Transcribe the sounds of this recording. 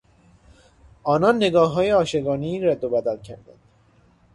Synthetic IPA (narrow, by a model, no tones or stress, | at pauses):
ɒːnɒnːeɡɒːɦɒːjeɒːʃeɡɒːniːɾæd̪ːobæd̪ælcʰæɾd̪æ̰nd̪̥